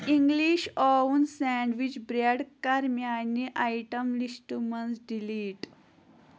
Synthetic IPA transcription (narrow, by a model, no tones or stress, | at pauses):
ĩŋɡliʃɔunsɛ̃ɳɖʋit͡ʃbɾeɽkaɾmjanːiʔajʈəmlisʈumənsɖiliːʈ